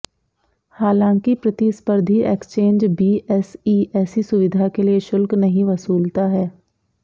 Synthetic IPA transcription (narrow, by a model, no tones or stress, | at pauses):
haːlãːŋkipɾət̪ispəɾd̪ʱieːkst͡ʃẽːnd͡ʒbiːʔɛsiːɛːsisʊʋɪd̪ʱakelieʃʊlknəɦĩʋəsuːlt̪aɦɛː